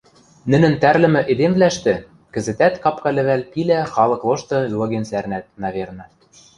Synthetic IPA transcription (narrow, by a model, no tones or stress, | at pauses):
nɘ̆nɘ̆nt̪æɾlɘ̆mɘ̆ʔed̪emvlæʃt̪ɘ̆ | kɘ̆zɘ̆t̪æt̪kɑpkɑlɘ̆βælpilæxɑlˠɤ̆klˠoʃt̪ɤ̆ylɤ̆ɣensæɾnæt̪̚nɑβernɑ